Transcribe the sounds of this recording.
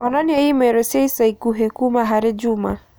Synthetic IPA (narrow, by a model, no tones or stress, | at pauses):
ɔnɔnɪejimeɾosjeisaikuɦekumaɦaɾɪd͡ʒuma